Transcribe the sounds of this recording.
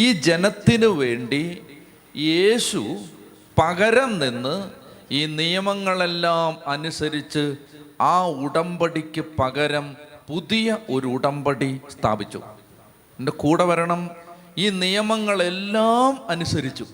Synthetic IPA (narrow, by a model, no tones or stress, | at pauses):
iːd͡ʑe̞nɐt̪ːinɨʋe̞ːɳɖi | jeːɕu | pɐɣɐɾɐmninːɨiːnijɐmɐŋːɐɭe̞lːaːmɐnusɐɾit͡ɕːɨaːuɽɐmbɐɽikʲːɨpɐɣɐɾɐmpuðijɐʔo̞ɾuːɽɐmbɐɽist̪ʰa̰ːbit͡ɕːṵ | endekuːɽɐʋɐɾɐɳɐm | iːnijɐmɐŋːɐɭe̞lːaːmɐnusɐɾit͡ɕːu